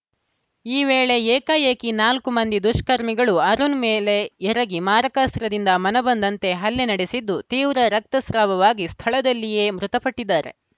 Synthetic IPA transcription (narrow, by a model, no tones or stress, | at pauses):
iːʋeːɭe̞eːkɐjeːkinaːlkumɐnd̪id̪uʃkɐɾmiɡɐɭuɐɾunmeːle̞ɛɾɐɡimaːɾɐkast̪ɾɐd̪ind̪ɐmɐnɐbɐnd̪ɐnt̪e̞ɦɐlːenɐɽesid̪ːut̪iːʋɾɐɾɐk̚t̪ɐsɾaːʋɐʋaːɡist̪ʰɐɭɐd̪ɐlːije̞ːmɾut̪ɐpɐʈːid̪ːaːɾe̞̰